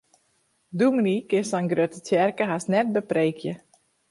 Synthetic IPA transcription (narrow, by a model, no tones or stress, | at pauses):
dumənikɪsɔnɡrøtətɛrkəɦasnɛt̚bəpreːkʰjə